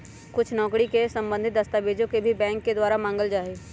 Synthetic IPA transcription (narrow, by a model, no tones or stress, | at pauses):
kʊt͡ʃʰnɔ̃ːkɽikesɐ̃mbə̃nd̪ʱɪt̪̚d̪ɐst̪aːbeːd͡ʒõkebʱibɛ̃ːŋkːed̪waːɾamãːŋɡəld͡ʒaːe